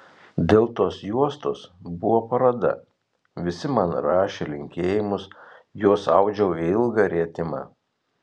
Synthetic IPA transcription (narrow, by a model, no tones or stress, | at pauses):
d̪ʲeːlˠt̪oːsjuɔst̪oːsbʊʋoːpɐɾɐd̪ɐ̰ | ʋʲɪsʲɪmɐnɾɑːʃʲelʲɪŋʲkʲeːjɪmʊsjuɔsɑʊd͡ʒʲɛʊɪɪlˠɡɐːɾʲeɛt̪ʲɪmɑ̰ː